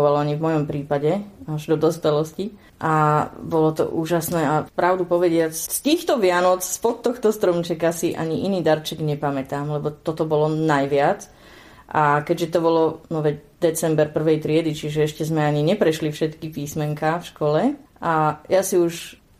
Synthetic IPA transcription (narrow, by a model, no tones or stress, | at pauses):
ʋalɔaɲivmɔjɔmpɾiːpaɟɛaʒd̪ɔd̪ɔspɛlɔsci | ʔabɔlɔt̪ɔ̰ʔuːʒasnɛːapɾaʊd̪upɔʋɛɟɪat͡sst̪iːxt̪ɔʋɪanɔt͡sspɔt̪ːɔxt̪ɔst̪ɾɔmt͡ʃɛkasiʔa̰ɲiʔiniːd̪aɾt͡ʃɛɡɲɛpamɛt̪aːmlɛbɔt̪ɔt̪ɔbɔlɔnajʋɪat͡s | ʔakɛɟʒɛt̪ɔbɔlɔnɔʋɛcd̪ɛt͡sɛmbɛɾpr̩ʋɛjt̪ɾɪɛd̪it͡ʃiʒɛɛʃcɛzmɛaɲiɲɛpɾɛʃlifʃɛt̪kipiːsmɛŋkafʃkɔlɛʔajasiuʃ